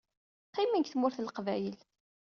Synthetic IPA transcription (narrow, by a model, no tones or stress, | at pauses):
qːiminkθmʊɾθəlqvæjəl